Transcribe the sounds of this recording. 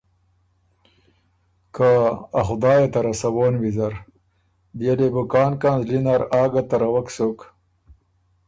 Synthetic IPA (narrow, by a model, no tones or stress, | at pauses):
kaːxʊd̪ɑːjet̪ɐɾɐsɐwoːnwizɐɾ | b̪jelebukaːnkanzlinaɾaːɡat̪ɐɾɐwaksok